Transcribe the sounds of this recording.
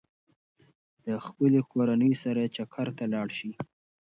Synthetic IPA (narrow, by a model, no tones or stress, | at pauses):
d̪əxpəlekoɾanəjsaɾat͡ʃakʰaɾt̪alɑɽʃi